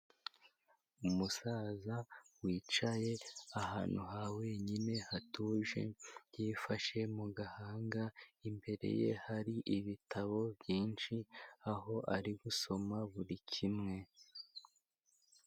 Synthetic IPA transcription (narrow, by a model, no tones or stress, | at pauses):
umusaːzawiːt͡ʃaje̞ahaːn̥huɦawe̞ːɲine̞hatuːʒe̞̰jiːfaʃe̞muɡahaːŋɡaimbe̞ɾe̞̰je̞haɾiʔiβitʰaβo̞bjiːnʃiaɦo̞ʔaɾiɡuso̞maβuɾicʰimŋe̞